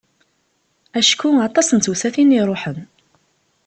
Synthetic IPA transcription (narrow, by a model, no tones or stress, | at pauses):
æʃkːuɑt̪ˤɑsənusæθiniɾˤoħən